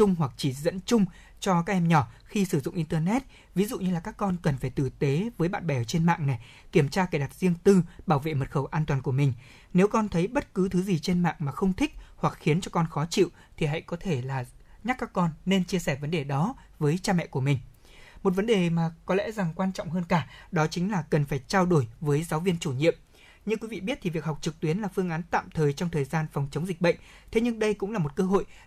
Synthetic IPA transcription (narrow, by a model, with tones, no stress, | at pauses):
t͡ɕʊ˧ŋ͡mɦwa˨˩k̚t͡ɕi˧˩zə̰˧˥nt͡ɕʊ˧ŋ͡m | t͡ɕɔ˧kaː˦˥k̚ʔɛ˧mɲɔ˧˩xi˧sɨ˧˩zʊ̰˧˨ŋ͡mʔi˧nt̪əː˧nɛ˦˥t̚ | vi˨˦zṵ˧˨ɲɨ˧laː˨˩kaː˦˥kːɔ˧nkə˨˩nfaː˧˩jt̪ɨ˨˩t̪e˨˦vəː˨˦jɓa̰ː˧˨nɓɛ˧˩wt͡ɕe˧nma̰ː˧˨ŋna˨˩j | ki˧˩əmt͡ɕaː˧kaː˨˩ɗa˨˩t̚zi˧əŋt̪ɨ˧ɓaː˧˩wvḛ˧˨mə˨˩t̚xə˧˩wʔaː˧nt̪waː˨˩nku˧˩əmï˨˩ŋ̟ | ne˨˦wkɔ˧nt̪ʰə˨˦jɓə˦˥t̚kɨ˨˦t̪ʰɨ˨˦zi˨˩t͡ɕe˧nma̰ː˧˨ŋmaː˨˩xə˧wŋ͡mt̪ʰï˦˥k̚hwa˨˩k̚xi˨˦ənt͡ɕɔ˧kɔ˧nxɔ˨˦t͡ɕḭ˧˨w | t̪ʰi˨˩ɦa̰˧˨jkɔ˨˦t̪ʰe˧˩laː˨˩ɲa˦˥kːaː˦˥kːɔ˧nːe˧nt͡ɕi˧əsɛː˧˩və˨˦nɗe˨˩ɗɔ˨˦ | vəː˨˦jt͡ɕaː˧mɛ̰˧˨ku˧˩əmï˨˩ŋ̟ | mo˨˩t̚və˨˦nɗe˨˩maː˨˩kɔ˨˦lɛ̰˧˥za˨˩ŋkwaː˧nt͡ɕɔ̰˧˨wŋ͡mɦəː˧nkaː˧˩ɗɔ˨˦t͡ɕï˨˦ŋ̟laː˨˩kə˨˩nfaː˧˩jt͡ɕaː˧wɗo˧˩jvəː˨˦jzaː˨˦wvi˧ənt͡ɕu˧˩ɲḭ˧˨əm | ɲɨ˧kwi˨˦vḭ˧˨ɓi˦˥t̚t̪ʰi˨˩vi˨˩ək̚ha˨˩wk͡p̚t͡ɕɨ˨˩k̚t̪wi˨˦ənlaː˨˩fɨ˧əŋʔaː˨˦nt̪a̰ː˧˨mt̪ʰəː˨˩jt͡ɕɔ˧wŋ͡mt̪ʰəː˨˩jzaː˧nfɔ˨˩wŋ͡mt͡ɕə˨˦wŋ͡mzi˨˩k̚ɓə̰˧˨ŋ̟ | t̪ʰe˨˦ɲɨ˧ŋɗə˧jkʊ̰˧˥ŋ͡mlaː˨˩mo˨˩t̚kəː˧ɦo̰˧˨j